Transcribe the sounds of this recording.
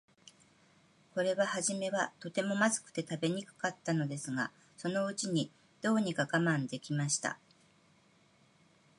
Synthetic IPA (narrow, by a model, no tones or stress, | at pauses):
ko̞ɾe̞βahaʑime̞βat̪o̞t̪e̞mo̞mazɨ̥kɯ̟̥t̪e̞t̪abe̞ɲ̟ikɯ̥kat̪ːano̞d̪e̞sɨɡa | so̞no̞ɯ̟t͡ɕiɲ̟i | d̪̥o̞ːɲ̟ikaɡamãnd̪e̞kʲimaɕi̥t̪a̰